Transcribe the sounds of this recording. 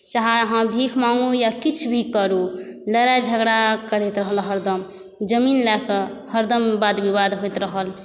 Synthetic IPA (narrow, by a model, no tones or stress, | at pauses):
t͡ʃaɦaɦãbʱikʰmaŋɡujakit͡ʃʰbʱikəɾuləɾad͡ʒʱəɡɽakəɾet̪ɾəɦəlɦəɾd̪əm | d͡ʒəminlɛkəhəɾd̪əmbad̪bibad̪ɦojt̪ɾəɦəl